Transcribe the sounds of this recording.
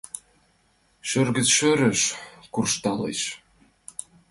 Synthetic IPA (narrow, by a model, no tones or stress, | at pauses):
ʃørɣə̆t͡sʃøɾəʃkurʃt̪ɑlḛʃ